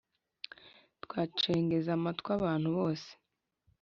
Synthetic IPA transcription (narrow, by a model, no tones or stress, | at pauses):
twaːt͡ʃe̞ːŋɡe̞zamatkwaβaːn̥huβo̞ːse̥